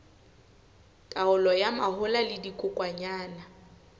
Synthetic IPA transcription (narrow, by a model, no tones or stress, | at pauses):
tʼaʊlɔjamahʊlalɪdikʼʊkʼwaɲaːna